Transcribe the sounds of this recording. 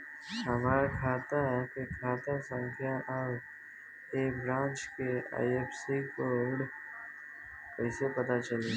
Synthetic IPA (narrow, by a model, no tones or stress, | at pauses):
ɦɐmaːɾakʰaːt̪aɦɛkekʰaːt̪asə̃ŋkʰjaʔəb | eːbɾãːnt͡ʃkea̰ːiepsikoːɾɖ | kɐɪsepɐt̪at͡ʃəle